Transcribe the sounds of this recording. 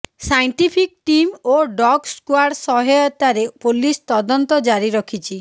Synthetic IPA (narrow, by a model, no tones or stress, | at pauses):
sajɳʈipʰik̚ʈimoɖɔɡskwaɾɽsɔɦɔjɔt̪aɾepolist̪ɔd̪ɔnt̪ɔd͡ʒaɾiɾɔkʰit͡ʃʰi